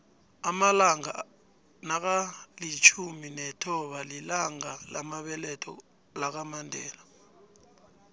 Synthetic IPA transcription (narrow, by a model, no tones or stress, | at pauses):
amalaŋa | nak̬alit͡ʃʰuminɛtʰɔɓalilaŋalamaɓɛlɛtʰɔ̰ | lak̬amandʱɛːla